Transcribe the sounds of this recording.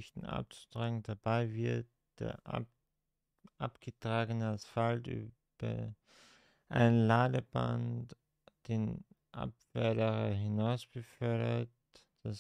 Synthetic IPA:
çtn̩ʔa̰p̚t͡su̥tʁ̥aːɡŋ̩d̥abaɪvɪɐt̚ | d̥ḛːɐʔ | ʔapɡ̥ətʁ̥aːɡənəasfaltʔy̰ː | b̥ɐ̰ | ʔa̰ɪnənlaːdəba̰nt | d̥eːnʔa̰pv̥ɛɐdəʁɐɦɪnaʊsb̥əfœɐɾɐt | d̥as

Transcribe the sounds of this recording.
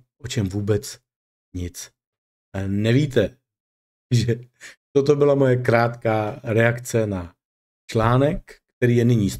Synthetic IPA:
ʔot͡ʃɛmvuːbɛt͡s | ɲɪt͡s | nɛviːt̪ɛ | ʒɛt̪ot̪o̞bɪlamo̞jɛkɾaːt̪kaːɾɛakt͡sɛna | t͡ʃlaːnɛkːt̪ɛɾiːjɛnɪɲiːs

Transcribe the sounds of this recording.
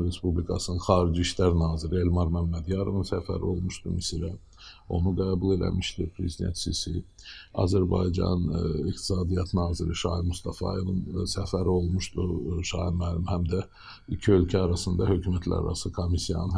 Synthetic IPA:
ɾe̞spublʲikʰɑsɯnɯnxɑːɾid͡ʒiiʃlæɾnɑːziɾie̞lmɑɾmæmːæd̪jɑɾo̞vɯnsæfæ̰ɾḭo̞lˠmuʃt̪umisiɾæ | o̞̰nuɡæːbulˠe̞læ̰miʃt̪iɾpʰɾe̞zid̪ḛnt̪sisi | ɑ̰zæɾbɑ̰jd͡ʒɑ̰nniqt̪ʰi̥sɑːd̪ijɑt̪nɑːziɾiʃɑːimust̪ɑfɑ̰jovɯnsæfæɾio̞lˠmuʃt̪uʃɑːiɾmælimhæmd̪æ | icʰiø̞lcʰæɑɾɑsɯnd̪ɑhø̞cʰymæt̪læ̰ɾ̰ɾɑ̰sɯkʰomisijɑ̰nn

